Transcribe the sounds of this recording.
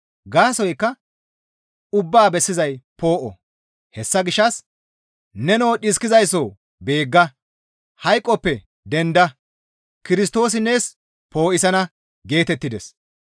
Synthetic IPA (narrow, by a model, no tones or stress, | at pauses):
ɡaːsɔjkːɐ | ʊbːaːbɛsːɪzɐjpo̞ːʔɔ̰ | hɛsːɐɡɪʃːɐs | nɛnowːɗɪskɪzɐjsoː | be̞ːɡːɐ | hɐjkʼːɔpːɛ | d̪ɛnd̪ɐ | kɪɾɪs̬t̪o̞ːs̬ɪnːeːs | po̞ːʔɪsɐnɐ | ɡe̞ːt̪ɛt̪ːɪd̪ɛs